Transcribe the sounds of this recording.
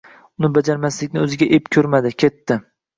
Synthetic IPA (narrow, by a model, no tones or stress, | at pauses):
ʊnɪbad͡ʒaɾmaslɪkʲnɪɵzɪɡʲaʔepkʲʰɵɾmad̪ɪkʲʰe̞t̪ːɪ